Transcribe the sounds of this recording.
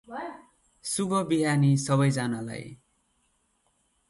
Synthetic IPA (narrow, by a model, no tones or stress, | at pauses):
subʌbiɦanisʌβʌjd͡zanala̰j